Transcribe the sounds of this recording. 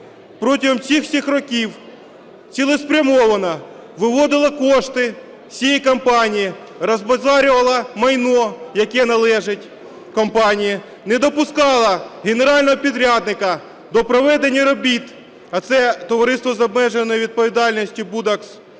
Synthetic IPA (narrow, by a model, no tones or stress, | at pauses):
pɾɔtʲiɦɔmsʲixsʲixrɔkʲiw | t͡sʲilˠɪspɾʲɐmɔʋɐnɐ | ʋɪʋɔd̪ɪlˠɐkɔʃt̪ɪ | sʲijikɐmpɑnʲiji | ɾɐzbɐzɑɾʲʊʋɐlˠɐmɐjnɔjɐkɛnɐlˠɛʒɪtʲ | kɔmpɑnʲiji | nɛd̪ɔpʊskɑlˠɐɦeneɾɑlʲnɔɦɔpʲid̪ɾʲɑd̪nɪkɐ | d̪ɔpɾɔʋɛd̪enʲːɐɾɔbʲit̪ | ɐt̪sɛt̪ɔʋɐɾɪst̪ʋɔzɐbmɛʒenːɔjɛʋʲid̪̚pɔʋʲid̪ɑlʲnʲɔsʲtʲibud̪ɐks